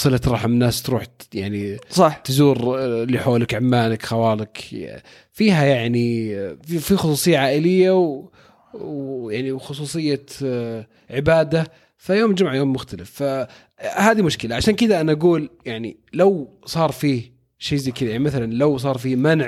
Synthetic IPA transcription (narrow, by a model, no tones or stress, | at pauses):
sˤɨlat̪ɾˤɑːħamnːaːst̪ɾuːħjaʕnisˤɑħt̪ɪzuːɾlɪħoːlakʕamːaːnakxawaːlak | fiːɦajaʕnififiːxʊsˤuːsˤɨjːaʕaːʔɪlɪjːaw | wjaʕniwxʊsˤuːsˤɨjːa | ʕɪbaːd̪a | fajoːmd͡ʒamaʕjoːmːʊxt̪alɪfːa | haːd̪imʊʃkɪlaʕaʃaːnkɪd̪aʔanʔaɡuːljaʕni | lawsˤɑːɾˤfiː | ʃaːzakɪɾijaʕnimaθalanlaws̬ˤɑːɾˤfiːmanʕ